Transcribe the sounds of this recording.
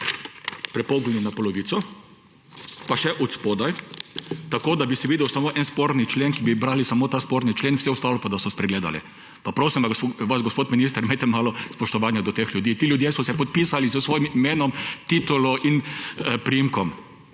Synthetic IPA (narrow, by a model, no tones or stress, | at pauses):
pɾɛpɔːɡlɛnunapɔlɔʋiːsɔ | paʃɛʔɔt̪spoːd̪aj | t̪akoːd̪abisiʋiːd̪ɛwsamoʔɛnspoːɾnit͡ʃleːnkibibɾaːlisamot̪aːspoːɾnit͡ʃleːnfsɛʊst̪aːwlɔpad̪asɔspɾɛɡleːd̪a̰lɛ̰ | papɾoːsimvaʋazɡɔspoːt̪minis̬t̪əɾmet̪ɛmaːlɔspɔʃt̪ɔʋaːnjad̪ɔt̪exlʲjud̪iːt̪iljʊd̪jesɔsɛpɔt̪̚piːsalizəsʋoːjimimeːnɔmt̪it̪ulɔʔinpɾijimkɔm